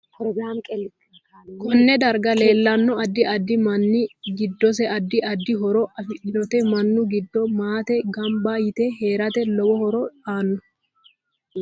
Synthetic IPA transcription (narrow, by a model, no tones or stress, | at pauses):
pɾɔɡɾamkʼɛ | kɔnːɛd̪ɐɾɡɐleːlːɐnːɔɐd̪ːɪʔɐd̪ːɪmɐnːɪɡɪd̪ːɔs̬ɛʔɐd̪ːɪʔɐd̪ːɪɦɔɾɔʔɐfɪʔɪdɔt̪ɛmɐnːʊɡɪd̪ːɔmaːt̪ɛɡɐmbajɪt̪ɛɦe̞ːɾɐt̪ɛlɔbɔhɔɾɔᶑaːnːɔ